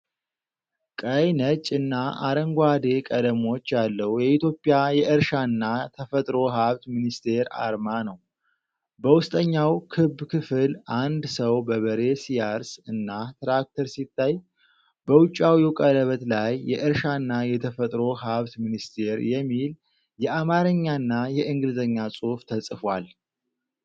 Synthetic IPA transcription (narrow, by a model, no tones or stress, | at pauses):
kʼəjnət͡ʃʼːɨnːaʔaɾəŋɡʷad̪e̞kʼəd̪əmo̞t͡ʃːjalːəwjɛit̪jo̞pʼːɪjajɛʔɨɾʃaɨnːat̪ʰəfət̪ʼɾo̞ɦaβt̪minist̪ʰe̞ɾa̰ɾmanəw | bəwʊst̪ʼəɲːawkʰɨbːkʰɨfɨlʔand̪səwbəβəɾe̞sijaɾsɨnːat̪ɾak̚t̪ʰəɾsit̪ʰːaj | bəwʊt͡ʃʼːawjukʼələβət̪lajːɛʔɨɾʃanːajɛt̪ʰəfət̪ʼɾo̞ɦaβt̪minist̪ʰe̞ɾjɛmːil | jɛʔamaɾəɲːanːajɛʔɨŋɡɨlzəɲːasʼo̞ft̪ʰəsʼɨfwal